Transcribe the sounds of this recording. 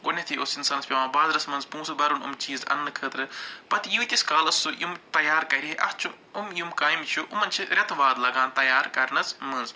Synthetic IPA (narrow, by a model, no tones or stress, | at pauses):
ɡonʲɐt̪ʰiosinsɐːnɐspʲɐmãːbaːzɾɐsmɐnzpũːsubɐɾunṵmt͡ʃiːzɐ̰nːɨkʰəːt̪ɾɨpɐt̪juːt̪ʲiskaːlɐsujumt̪ɐjaːɾkɐɾiɦeʔɐ̰ht͡ʃʰu | umjumkaːjimt͡ʃʰuʔumɐnt͡ʃʰiɾʲɐt̪ʰʋaːd̪lɐɡaːnt̪ɐjaːɾkɐɾnɐsmɐnz